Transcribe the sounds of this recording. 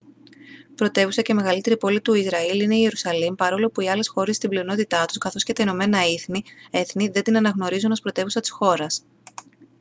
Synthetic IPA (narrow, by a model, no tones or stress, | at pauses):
pɾo̞t̪e̞vusɐceme̞ɣɐlit̪e̞ɾipo̞lit̪uizɾɐiline̞ie̞ɾusɐlimpɐɾo̞lo̞puiɐle̞sxo̞ɾest̪ibliono̞t̪it̪ɐt̪u̥skɐθo̞sce̞t̪ɐino̞me̞nɐiθnie̞θniðe̞nd̪inɐnɐɣno̞ɾizunospɾo̞t̪e̞vusɐt̪i̥sxo̞ɾɐs